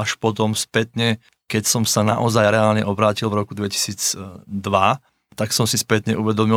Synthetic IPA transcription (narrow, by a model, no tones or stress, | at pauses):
aʃpɔt̪ɔmspɛt̪ɲɛ | kɛcsɔmsana̰ʔɔzajɾɛaːlɲɛʔɔbɾaːcilvɾɔkud̪ʋɛci̥siːd͡zd̪ʋa | t̪aksɔmsispɛt̪ɲɛʔuʋɛd̪ɔmi